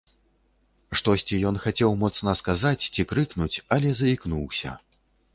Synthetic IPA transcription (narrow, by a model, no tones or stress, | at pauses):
ʂt̪ɔsʲt͡sʲijɔnxat͡sʲɛwmɔt̪snɐskazat͡sʲt͡sʲikɾɨknut͡sʲɐlʲɛzɐiknuwsʲɐ̰